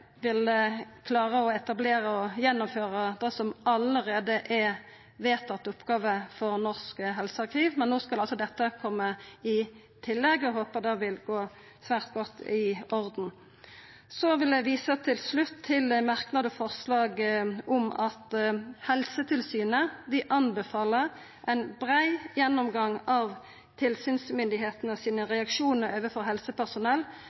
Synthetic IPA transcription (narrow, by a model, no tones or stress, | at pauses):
ʋɪlkʰlɑːʁəɔɛt̪ɑbleːʁəɔjɛnːʊmføːʁəd̪ɛsɔmɑləʁeːd̪əʔɛ | ʋeːt̪ʰːɑt̪ːʊpːɡɑːʋəfɔʁnɔʁskəɦɛlsəɑʁkʰiːʋmɛnːoːskɑlɑlsɔd̪ɛt̪ːəkʰɔmːəɪ | t̪ʰɪlːɛɡːɔɦoːpəʁd̪ɛʋɪlɡoː | sʋæːʁt̪ɡɔt̪ʰːɪʔɔʁd̪n̩ | sɔʋɪld̪ɛʋiːsət̪ʰɪlslʉt̪ʰːɪlmɑʁknɑd̪əfɔʁslɑːɡɔmɑt̪hɛlsət̪ʰɪlsyːnəd̪ɪʔɑnbəfɑːləʁ | ʔæɪnbʁæɪjɛnːɔmɡɑŋɑʋ | t̪ʰɪlsyːnsmʏnd̪ɪɦeːt̪nəɔsiːnəʁɛɑkʃuːnəɾøːʋəfɔʁɦɛlsəpæʁsʊnɛlː